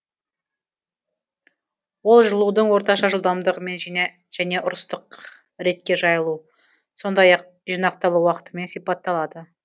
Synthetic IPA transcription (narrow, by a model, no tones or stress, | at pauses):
wo̞lˠʒəlˠud̪əɴwo̞ɾt̪ɑʃɑʒəlˠd̪ɑmd̪əʁəme̞nʒne | ʒ̥æne̞ʔʊɾəst̪əq | ɾe̞t̪kʲe̞ʒɑjəlˠu | so̞nd̪ɑjɑq̚ | ʒinɑq̚t̪ɑlˠuwɑqə̥t̪əme̞nsijpɑt̪ːɑlˠɑd̪ə